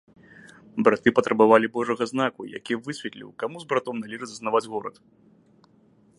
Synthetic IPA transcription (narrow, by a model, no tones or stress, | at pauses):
bɾat̪ɨpɐt̪ɾɐbavalʲibɔʐɐɣɐznakuja̰kʲivɨsʲvʲɛt̪lʲḭwkamuzbɾat̪ɔmnalʲiʐɨzɐsnavad͡zʲɣɔɾɐ̰t̪